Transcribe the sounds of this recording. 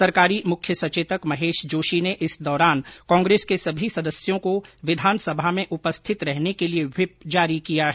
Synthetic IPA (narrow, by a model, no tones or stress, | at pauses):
sɐɾkaːɾimʊkʰjəsɐt͡ʃeːt̪əkmɐɦeːʃd͡ʒoːʃineʔɪsd̪ɔːɾaːnkɔ̃ːŋɡɾeːskesɐbʱisɐd̪əsjõkoʋɪd̪ʱaːnsɐbʱamẽʔʊpəst̪ʰɪt̪ɾɛɦnekelieʋɪpd͡ʒaːɾikijaɦɛ